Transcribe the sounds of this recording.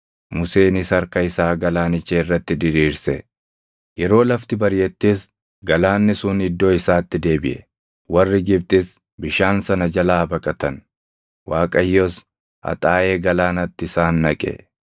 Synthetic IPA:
mʊseːnɪsɐɾkɐɪsaːɡɐlaːnɪt͡ʃːeɪrːɐt̪ːɪd̪ɪɾiːɾsɛ | jɛɾo̞ːlɐft̪ɪbɐɾjɛt̪ːiːs | ɡɐlaːnːɪsʊːnɪd̪ːo̞ːɪsaːt̪ːɪd̪e̞ːbɪʔɛ | wɐrːɪɡɪbt̪ʼɪs | bɪʃaːnsɐnɐd͡ʒɐlaːbɐkʼɐt̪ɐn | waːkʼɐjːos | ɐ̰t̪ʼaːʔe̞ːɡɐlaːnɐt̪ːɪɪsaːnːɐkʼɛ̰

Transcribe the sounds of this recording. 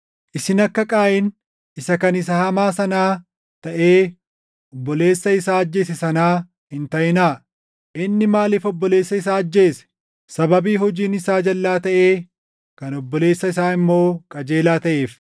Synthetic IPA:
ʔɪsɪnɐkːɐkʼaːʔɪn | ɪsɐkɐnɪs̬ɐhɐmaːsɐnaː | t̪ɐʔe̞ː | ɔbːɔle̞ːsːɐɪsaːɐd͡ʒːe̞ːs̬ɛsɐnaː | hɪnt̪ɐjɪnaː | ʔɪnːɪmaːlɪːfɔbːɔleːsːɐɪsaːɐd͡ʒːe̞ːsɛ̥ | sɐbɐbiːɦɔd͡ʒiːnɪsaːd͡ʒɐlːaːt̪ɐʔe̞ː | kɐnɔbːɔle̞ːsːɐɪsaːɪmːo̞ːkʼɐd͡ʒe̞ːlaːt̪ɐʔe̞ːf

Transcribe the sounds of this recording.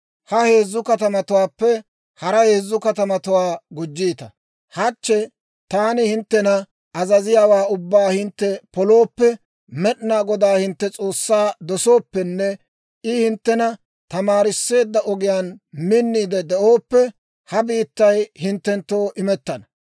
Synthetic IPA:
hɐhe̞ːzːʊkɐt̪ɐmɐt̪ʊwaːpːɛ | hɐɾɐhe̞ːzːʊkɐt̪ɐmɐt̪ʊwaːɡʊd͡ʒːiːt̪ɐ | hɐt͡ʃːɛ | t̪aːnɪhɪnt̪ːɛnɐ | ɐzɐzɪjaːwaːʊbːaːhɪnt̪ːɛpɔlo̞ːpːɛ | mɛɗnaːɡɔd̪aːhɪnt̪ːɛt͡sʼo̞ːsːaːd̪ɔso̞ːpːɛnːɛ | ʔɪhɪnt̪ːɛnɐ | t̪ɐmaːɾɪsːe̞ːd̪ːɐʔɔɡɪjaːnmɪnːiːd̪ɛd̪ɛʔo̞ːpːɛ | hɐbiːt̪ːɐjhɪnt̪ːɛnt̪ːo̞ːʔɪmɛt̪ːɐnɐ

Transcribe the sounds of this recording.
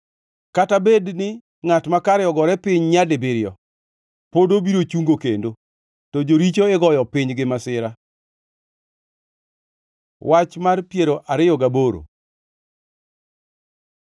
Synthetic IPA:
katabednɪ | ŋatmakaɾɪɔɡɔɾɛpɪɲɲadebɪɾɪjɔ | podobiɾot͡ʃuŋɡokendo | tɔd͡ʒoɾit͡ʃoɪɡɔjɔpɪɲɡɪmasɪɾa | wʔat͡ʃmarpjeɾoʔʔaɾɪjɔɡaboɾo̰

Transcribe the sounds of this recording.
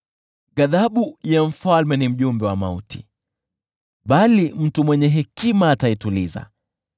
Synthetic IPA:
ɠaðaɓujam̩falmɛnim̩ʄumbɛwamauti̥ | ɓalim̩tumwɛɲɛɦɛkimaːtaituliza̰

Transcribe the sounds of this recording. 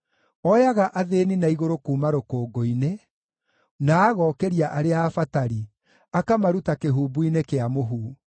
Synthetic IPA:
ɔjaɣaʔaðeninaiɣoɾokuːmaɾokoːɡoine | naːɣɔːkɛɾiaʔaɾeafataɾi | akamaɾutakeɦuːbuinekeamoɦuː

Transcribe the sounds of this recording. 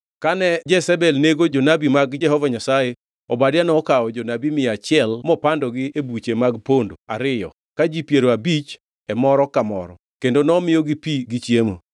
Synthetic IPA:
kanɛd͡ʒɛsɛbɛlneɡod͡ʒonabimaɡɛɦɔvaɲasaje | ɔbadɪanɔːkaɔd͡ʒonabimɪat͡ʃɪɛlmɔpandɔɡɪebut͡ʃemaɡpondoaɾɪjɔ̰ | kad͡ʒipjeɾoabit͡ʃ | ɛmɔɾɔkamɔ̰ɾɔ̰ | kendonɔmɪjɔɡɪpiɡɪt͡ʃjemo̰

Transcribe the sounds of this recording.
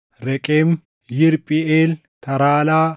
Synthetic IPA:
ɾɛkʼem | jɪɾpʼɪeːl | t̪ʰɐɾaːlaː

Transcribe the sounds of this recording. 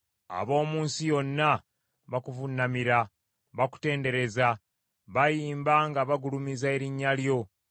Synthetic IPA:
a̰βo̞ːmuːnsijo̞nːa | βakuvunːamiɾa | βaku̥te̞ːnde̞ɾe̞za | βajiːmbaŋɡaβaɡulumizae̞ɾiɲːaljo̞

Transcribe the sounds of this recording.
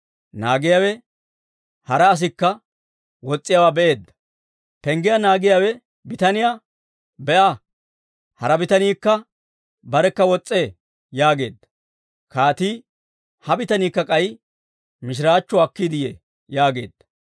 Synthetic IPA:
naːɡɪjawɛ | hɐɾɐːs̬ɪkːɐ | wɔt͡sʼːɪjawaːbɛʔe̞ːd̪ːɐ̥ | pɛŋɡɪjanaːɡɪjaːwɛ | bɪt̪ɐnɪja | bɛʔa | hɐɾɐbɪt̪ɐniːkːɐ | bɐɾɛkːɐwɔt͡sʼːeː | jaːɡe̞̰ːd̪ːɐ̥ | kaːt̪iː | hɐbɪt̪ɐniːkːɐkʼɐj | mɪʃ̬ɪɾaːt͡ʃːɔɐkːid̪ɪjḛː | jaːɡe̞ːd̪̥ːɐ̥

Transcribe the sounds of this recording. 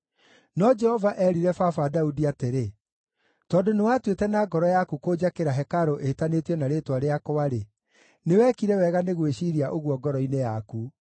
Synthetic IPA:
nɔd͡ʒɛhɔvaʔɛɾiɾɛfafadaudiateɾe | tɔːdonewatwetɛnaːɡɔɾɔjakukod͡ʑakeɾaɦɛkaɾoʔetanetiɔnaɾetwaɾeakowaɾe | newɛːkiɾɛwɛɣaneɣweɕiɾiaʔoɣwɔɡɔɾɔinejaku

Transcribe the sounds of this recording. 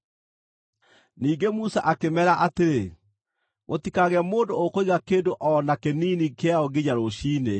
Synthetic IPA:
niːɡemusa̰ʔakemɛɾaʔateɾe | mʔotikaɣɛmoːndookoiɣakeːndoʔɔnakeniːnikeaɔɡeɲaɾoɕiːne

